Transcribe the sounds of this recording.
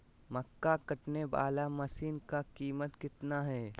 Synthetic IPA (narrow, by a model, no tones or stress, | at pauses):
mɐkːakɐʈneʋa̰ːlamɐsiːnkakiːmət̪kɪt̪naɦɛː